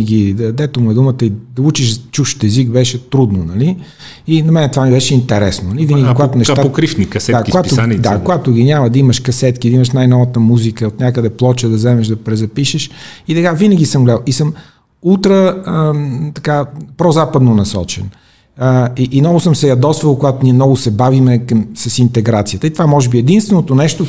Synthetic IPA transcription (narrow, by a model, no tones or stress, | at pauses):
ɡʲiəd̪ɛt̪omuɛd̪umət̪əid̪ɐut͡ʃiʃt͡ʃuʃt̪ɛzikbɛʃɛt̪ɾud̪nonɐli | inɐmɛnɛt̪ovamibɛʃɛint̪ɛɾɛsnonɐliviəɡʲikoɡat̪onɛʃakɾifniksɛd̪akoɡat̪od̪akoɡat̪ʊɡʲinʲamɐd̪ɐiməʃkɐsɛt̪kʲid̪ɐiməʃnajnɔvət̪əmuzikəot̪nʲakəd̪ɛplˠɔt͡ʃəd̪ɐzɛmɛʃd̪ɐpɾɛzɐpiʃɛʃit̪ɐkavinəɡʲisəmɡolʲalˠisəm | ut̪ɾə | t̪ɐkapɾɔzapəd̪nonɐsɔ̰t͡ʃɛ̰n | iʔːnɔvʊsəmsɛjɐd̪ɔsvəlˠkoɡat̪oniɛmnɔɡʊsɛbavimɛkmsɐsint̪ɛɡɾat̪sijət̪əit̪ovamɔʒɛbiɛd̪inst̪vɛnot̪onɛʃt̪o